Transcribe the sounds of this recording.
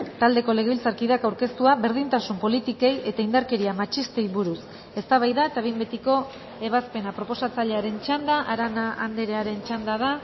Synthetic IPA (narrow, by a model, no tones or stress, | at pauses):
t̪ald̪e̞ko̞le̞ɣ̞e̞βilt͡saɾkiðakawɾke̞st̪uaβe̞ɾðint̪asumpo̞lit̪ike̞je̞t̪aind̪aɾke̞ɾiamat͡ʃist̪e̞jβuɾus | e̞st̪aβajðae̞t̪aβejmbe̞t̪iko̞ | e̞β̞aspe̞napɾo̞po̞sat͡saʎe̞aɾe̞nt͡ʃand̪aʔaɾanaand̪eɾe̞aɾe̞nt͡ʃand̪að̞a